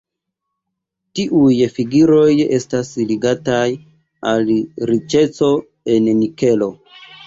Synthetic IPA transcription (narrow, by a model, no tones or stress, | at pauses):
tiʔujfiɡiɾo̞je̞stasliɡataj | alɾit͡ʃe̞t͡so̞ | e̞nnike̞lo